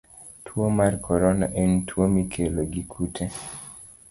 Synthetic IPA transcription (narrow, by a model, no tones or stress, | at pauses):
tʰwomarkʰɔɾɔna̰ʔɛntʰwomikʰeloɡikʰutʰe